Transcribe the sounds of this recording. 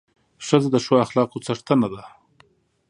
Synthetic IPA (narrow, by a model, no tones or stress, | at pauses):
ʂəzad̪əʃoaxlɑqot͡saʂt̪anad̪a